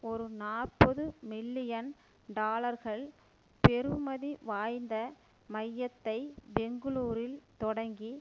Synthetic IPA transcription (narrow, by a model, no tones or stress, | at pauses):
ɔɾɯnaːɾpɔðɯmɪlːɪjɐn | ɖaːlɐɾɣɐɭ | pɛɾɯmɐðiʋaːjnd̪ɐ | mɐjːɐt̪ːɐɪbɛŋɡɯɭuːɾɪlt̪ɔɽɐŋɡi